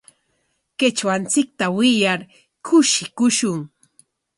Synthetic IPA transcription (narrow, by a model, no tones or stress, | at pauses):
kɪt͡ʃwant͡sɪk̚t̪awɪjaɾ | kʰʊʃɪkʊʃʊŋ